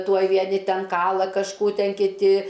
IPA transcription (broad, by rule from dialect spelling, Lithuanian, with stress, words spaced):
ˈtuɔj ʋʲiɛˈnʲɪ ˈtʲɛn ˈkɑːlˠɐ kɐʃˈkuː ˈtʲɛn kʲɪˈtʲɪ